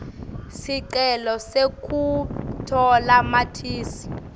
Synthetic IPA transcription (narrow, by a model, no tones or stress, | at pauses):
siǀɛlɔsekʼutʰɔlamatʰiːsi̥